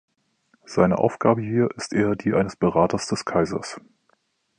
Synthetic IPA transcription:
z̥aɪnə̰ʔa̰ʊfɡ̥aːbəhiːɐʔɪstʔeːɐdiːʔaɪnəsb̥əʁaːtɐsd̥ɛskʰaɪzɐ̰s

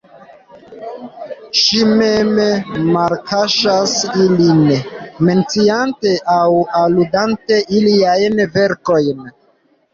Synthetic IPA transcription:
ʃimemmaɾkaʃasilinme̞nt͡siante̞ʔawaludante̞ʔiliajnve̞ɾko̞jn

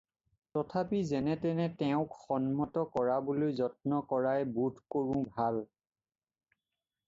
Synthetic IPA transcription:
tɔtʰapizɛnɛtɛnɛtɛʊ̃kxɔnmɔtɔkɔɹabolojzɔt̚nɔkɔɹajbudʱkoɹʊ̃bʱal

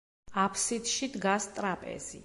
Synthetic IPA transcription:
apʰsit̪ʃid̪ɡast̪ʼɾapʼɛ̰z̥ḭ

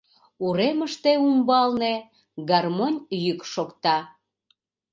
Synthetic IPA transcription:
uɾeməʃt̪eumbɑlne | ɡɑrmonʲjykʃokt̪ɑ

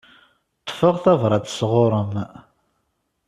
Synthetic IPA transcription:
t̪ˤʰːfəʁθævɾˤɑt͡ssʁʊɾˤəm

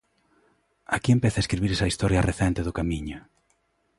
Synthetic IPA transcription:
akiempɛθaɐeskɾiβiɾesɐist̪ɔɾjɐreθɛnt̪eðʊkamĩɲʊ

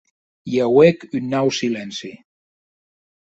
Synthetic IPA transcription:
jawekynːawsilensi

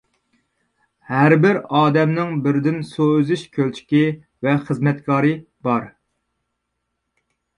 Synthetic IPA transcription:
hæɾbɪɾɑːd̪ɛmnɪŋbɪɾd̪ɪnsozɪʃkʲʰølt͡ʃʰi̥kʲi | vɛχəzmɛt̪kʰɑːɾɨ | bɑɾ

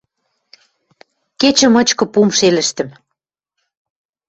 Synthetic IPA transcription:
ket͡ɕə̆mɤ̆t͡ɕkɤ̆pumʃelə̆ʃt̪ə̆m

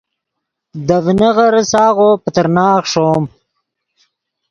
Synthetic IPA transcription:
d̪əvnəɣəɾsɑːɣopət̪əɾnɑːχʂoːm

